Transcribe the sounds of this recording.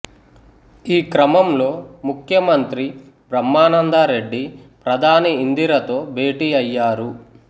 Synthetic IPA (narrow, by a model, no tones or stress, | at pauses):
iːkɾɐmɐmlo̞ːmukʰjɐmɐnt̪ɾi | bɾɐmːaːnɐnd̪aːɾe̞ɖːipɾɐd̪ʱaːniind̪iɾɐt̪o̞ːbʱe̞ːʈiːɐjːaːɾu